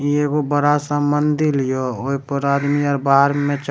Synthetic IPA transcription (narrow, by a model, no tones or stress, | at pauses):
ekobəɾasəmbənd̪ʱilijooipəɾaːd̪miɔɾbaɦəɾmẽt͡ʃ